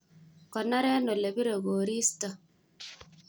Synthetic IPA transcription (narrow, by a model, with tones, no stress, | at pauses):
kɔ˨na˦ɾɛ˦no˨le˨bi˦ɾe˨ɡo˨ɾi˦stɔ˨